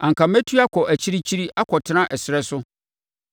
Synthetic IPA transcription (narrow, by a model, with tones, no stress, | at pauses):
ã˨ŋkʰã˨mæ˦tʰu˦a˦kʰɔ˨ʔæ˨t͡ɕʰi˦ɾi˦t͡ɕʰi˦ɾi˦ʔa˦kʰɔ˨tʰɪ˦nã˦ʔɛ˨sɪ˨ɾɛ˦sʊ˦